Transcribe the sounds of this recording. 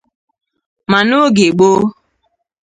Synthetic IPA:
ma˨no˦ɡe˨ɡ͡bo˦

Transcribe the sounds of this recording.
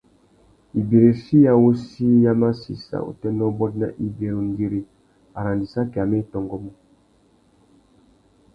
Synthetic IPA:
i˨be˨ɾe˨si˦ja˦wo˦si˦ja˦ma˦sḭ˨sa̰˨o̰˨tɛ˦nɔ˦bɔ˦tna̰˦ʔi˦be˨ɾo˨ŋ˦ɡi˦ɾi˨ | a˨ɾa˨ndi˨sa˦kɛ˨a˨mɛ˦˨tɔ˨ŋɡɔ˦mɔ˦

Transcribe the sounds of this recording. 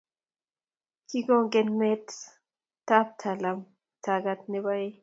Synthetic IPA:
kʰi˦ɡo˦ŋɡenme˦t | ta˦p̚tʰa˨lam | tʰaɡat̪ne˦bae˦

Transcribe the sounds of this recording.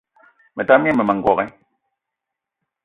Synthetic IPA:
mɛ˨ta˦mjɛ˦mɛ˨mɛ˨ŋ˨ɡwɔ˨ɣɛ˦

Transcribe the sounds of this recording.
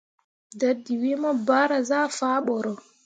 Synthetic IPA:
dadːiwimɔ˦ba˦ɾa˨zaː˦faːɓɔɾɔ˨

